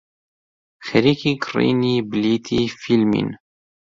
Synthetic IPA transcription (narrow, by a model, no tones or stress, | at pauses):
xɛɾiːkiɡrḭːniːbliːt̪ʰiːfilmḭn